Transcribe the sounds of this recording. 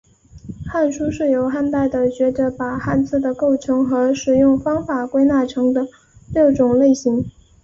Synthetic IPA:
xa˥˩nʂu˥ʂɻ̩˥˩jo˧˩˥ʊxa˥˧nt̪a˥˩ɪd̪ə˩t͡ɕɥɛ˧˥d̪ə˧˥pa˨˩xa˥˧nt͡sʰɹ̩˥˩d̪ə˩ko˥˩ʊʈ͡ʂʰɤ˧˥ŋxɤ˧˥ʂɻ̩˨˩jʊ˥˩ŋfɑ˥ŋfa˨˩kwe˥ɪna˥˩ʈ͡ʂʰɤ˧˥ŋd̪ə˧ | ljɤ˥˩ʊʈ͡ʂʊ˨˩ŋle˥˩ɪɕi˧˥ŋ

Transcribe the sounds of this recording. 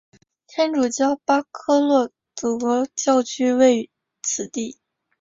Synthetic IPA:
t̪ʰjɛ˥nʈ͡ʂu˨˩t͡ɕjɑ˥ʊpa˥kʰɤ˥lwɔ˥˩ | t͡su˨˩kɔ˧˥t͡ɕjɑ˥˧ʊt͡ɕʰy˥we˥˩ɪ | t͡sʰɹ̩˨˩t̪i˥˩

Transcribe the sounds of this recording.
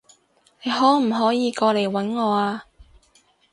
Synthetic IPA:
ne˨˧jɦɔː˨˥m̩˨˩ɦɔː˨˥jiː˨˧kɔː˧le˨˩jwɐ˨˥nŋɔː˨˧aː˧

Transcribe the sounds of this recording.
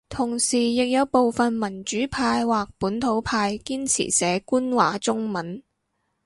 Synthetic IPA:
t̪ʰʊ˨˩ŋsiː˨˩jɪ˨k̚jɐ˨˧wpo˨wfɐ˨nmɐ˨˩nt͡ʃyː˨˥pʰaː˧jwaː˨k̚puː˨˥nt̪ʰo˨˥wpʰaː˧jkiː˥nt͡sʰḭ˨˩sɛː˨˥kuː˥nwa̰ː˨˥t͡sʊ˥ŋmɐ˨˥n

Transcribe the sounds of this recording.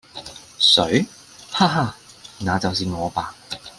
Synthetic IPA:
sɵ˨˥ɥ | haː˧ɦaː˧˩ | naː˨˧t͡sɐ˨wsiː˨ŋɔː˨˧paː˨k̚

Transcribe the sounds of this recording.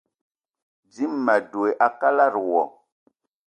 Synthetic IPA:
d͡zi˦mːa˨do˨e˨ʔa˨ka˦la˦˨ɾwɔ̰˨

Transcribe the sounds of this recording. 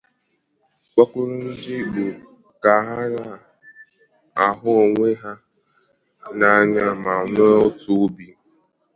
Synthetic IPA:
k͡pa˦kʷʊ˦ɾʊ˦n̩˦dɪ˦ɡ͡bu˨ | ka˨ɦa˦ɾa˦˨ | a˨ɦʊ˦o˨ŋʷe˦ɦa˦ | na˨a˨ɲa˦ma˨ŋʷe˦o˦tʊ˦bi˦

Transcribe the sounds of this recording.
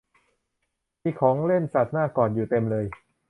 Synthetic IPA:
miː˧kʰɔː˩˦ŋle˥˩nsa˨˩t̪̚naː˥˩kɔː˨˩njuː˨˩t̪e˧mlɤː˧j

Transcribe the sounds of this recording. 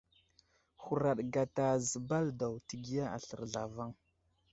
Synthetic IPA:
xu˨ɾa˨ɗɡa˨ta˨zə˨ba˦lda˨wti˨ɡi˦ja˦a̰˨ɬə̰˨ɾɮa˨va˦ŋ

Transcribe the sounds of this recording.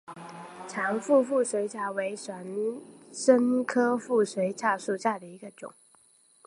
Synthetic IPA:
ʈ͡ʂʰɑ˧˥ŋfu˥˧fu˥˩swe˧˥ɪt͡ɕja˥˩we˧˥ɪʂwa˧˥nʂə˥ŋkʰɤ˥fu˥˩swe˧˥ɪt͡ɕja˥˧ʂu˥˧ɕja˥˩d̪ə˩i˧˥ɡə˧ʈ͡ʂʊ̰˨˩˦ŋ

